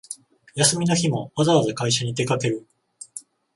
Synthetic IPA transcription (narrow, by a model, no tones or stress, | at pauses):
jasɨmʲinoçimo̞βazaβazakaiɕaɲ̟it̪e̞kake̞ɾɯ̟